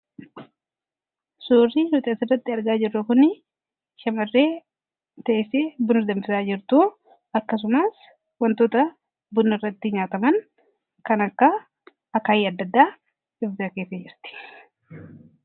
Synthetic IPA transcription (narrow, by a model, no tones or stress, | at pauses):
suːrːinʊt̪ʼɐsɪrːɐt̪ːɪɐɾɡaːd͡ʒɪrːɐkʊnɪ | ʃɐmɐrːeː | t̪ɐʔɛseːbʊnʊɾd̪ɐmbɪsaːd͡ʒɪɾt̪uː | ɐkːɐs̬ʊmaːs | wɐnt̪oːt̪ɐ | bʊnːɪrːɐt̪ːɪɲaːt̪ɐmɐn | kɐnɐkːɐ | ɐkaːjɐd̪ːɐd̪ːaː | ɪfd̪ɪɐkeːsɐd͡ʒɪɾt̪ɪ̥